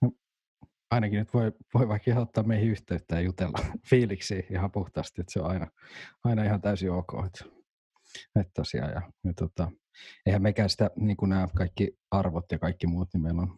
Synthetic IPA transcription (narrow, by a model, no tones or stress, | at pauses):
no | ɑinɑkinyt̪ʋoiʋoiʋɑikihɑot̪ːɑːmeihiyht̪eyt̪ːæːjut̪elːɑfiːliksiːihɑpuht̪ɑːst̪iot̪seo̰ɑinɑɑinɑihɑnt̪æysioːko̰ːhet̪ | et̪ːosḭɑ̰jɑ̰jɑt̪ot̪ɑ | eihæmmekæːsi̥t̪æniːŋkunæːkɑikːi | ɑrʋot̪jɑkɑikːimuːt̪nimeilon